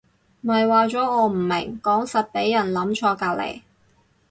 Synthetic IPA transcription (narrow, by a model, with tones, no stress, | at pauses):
mɐ˨jwaː˨˧t͡ʃɔː˨˥ŋɔː˨˧m̩˨˩mɪ˨˩ŋkɔː˨˥ŋsɐ˨t̚pe˨˥jːɐ˨˩nlɐ˨˥mt͡ʃʰɔː˧kaː˧lḛ˨˩j